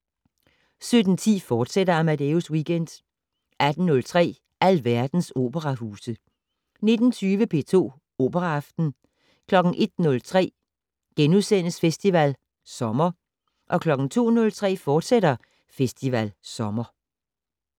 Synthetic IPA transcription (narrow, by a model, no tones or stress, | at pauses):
sød̥n̩t͡sʰḭːfɒːd̥seɾ̥ɐæmæd̥euswiːɡ̥en̰d̥ | ʔæd̥n̩nɔ̽lt͡sʰʁɛ̰ː | ʔæl̰ʋæɐd̥n̩so̝̰ːb̥əʁɑhuːsə | ne̝d̥n̩t͡sʰyːʋəpʰe̝ːt͡sʰo̝̰ː | o̝̰ːb̥əʁɑɑfd̥n̩ | kʰlɒ̽ɡ̥n̩ʔe̝d̥nɔ̽lt͡sʰʁɛ̰ː | ɡ̥enuðˠsen̰əsfesd̥iʋæl | sɒ̽mɐ | ʔɒ̽kʰlɒ̽ɡ̥n̩t͡sʰo̝̰ːnɔ̽lt͡sʰʁɛ̰ːfɒːd̥seɾ̥ɐ | fesd̥iʋælsɒ̽mɐ